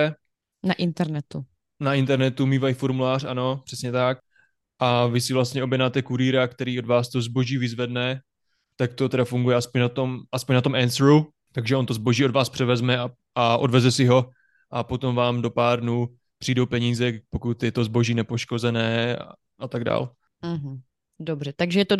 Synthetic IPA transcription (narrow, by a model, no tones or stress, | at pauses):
naʔɪnt̪ɛɾnɛt̪u | naʔɪnt̪ɛɾnɛt̪umiːvajifoɾmulaːr̝ano̞pr̥ɛsɲɛt̪ak̚ | ʔavɪsɪvlast̪ɲɛo̞bjɛdnaːt̪ɛkuɾiːɾakt̪ɛɾiːodvaːst̪ozbo̞ʒiːvɪzvɛdnɛ | t̪akt̪o̞t̪ɛɾafuŋɡujɛaspo̞ɲnat̪o̞mʔaspoɲnat̪̬omʔɛnsɾu | t̪aɡʒɛʔo̞nt̪ozbo̞ʒiːo̞dvaːspr̝̥ɛvɛzmɛa | ʔaʔo̞̰dvɛzɛsɪɦo̞ | ʔapo̞t̪o̞mvaːmdo̞paːɾdnuː | pr̥iːdo̞wpɛɲiːzɛpo̞kut̪jɛt̪o̞zbo̞ʒiːnɛpo̞ʃko̞zɛnɛː | ʔat̪aɡda̰ːl̩ | ɦ̩ | dobrɛt̪aɡʒɛjɛt̪o